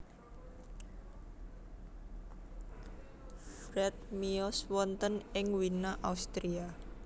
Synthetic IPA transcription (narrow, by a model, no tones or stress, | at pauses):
fɾɛt̪̚miɔswɔnt̪ənɪŋwinaʔaust̪ɾia